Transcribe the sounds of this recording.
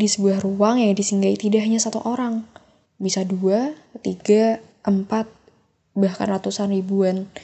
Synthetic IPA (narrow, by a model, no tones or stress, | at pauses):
disəbuahruaŋjaŋdisiŋɡait̪idaɦɲasat̪uʔoɾaŋ | bisaduat̪iɡa | ʔəmpat̪̚ | bahka̰nrat̪usanribuan